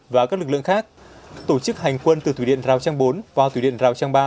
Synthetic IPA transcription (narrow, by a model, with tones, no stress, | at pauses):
vaː˨˩kaː˦˥k̚lɨ˨˩k̚ɨ̰˧˨ə˨ŋxaː˦˥k̚ | t̪o˧˩t͡ɕɨ˦˥k̚ha˨˩jŋ̟kwə˧nt̪ɨ˨˩t̪ʰui˧˩ḭ˧˨ənzaː˨˩wt͡ɕaː˧ŋɓo˨˦nvaː˨˩t̪ʰu˧˩ɗḭ˧˨ənzaː˨˩wt͡ɕaː˧ŋɓaː˧